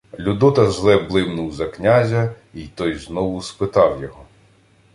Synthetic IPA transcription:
lʲud̪ɔt̪ɐʒlˠɛblˠɪwnʊwzɐknʲazʲɐ | it̪ɔjznɔwʊspɪt̪ɑwjɔɦɔ

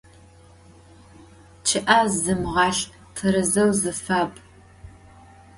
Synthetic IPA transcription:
t͡ʃʰɪʔazɨmʁɑːɬ | tʰɐɾɨzɐwzɨfaːpʼ

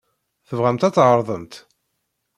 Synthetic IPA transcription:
θəvʁæmt̪æt͡sːʕəɾˤðˤəmt̪

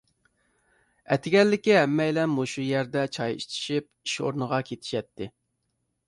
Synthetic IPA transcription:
ɛt̪ʰɪɡʲɛlːɪkʲiɦɛmːɛjlɛnːuʃujɛɾd̪ɛt͡ʃʰɑjḭʃt̪ʰi̥ʃip̚iʃo̰ɾnəʁɑkʲʰet̪ʰɪ̥ʃɛt̪ʰːɪ

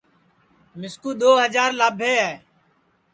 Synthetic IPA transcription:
mɪskuːd̪oːɦəd͡ʒaːɾlaːbʱeːɦaː

